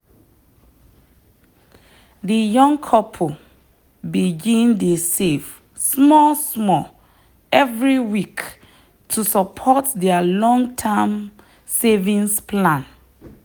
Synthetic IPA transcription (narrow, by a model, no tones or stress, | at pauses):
dijɔ̃ŋkʰɔpʰo | biɡĩndesef | smɔsmɔ | ɛvɹiwik | tʰusapʰɔtdɛalɔ̃ŋtʰɛm | sevĩnsplãn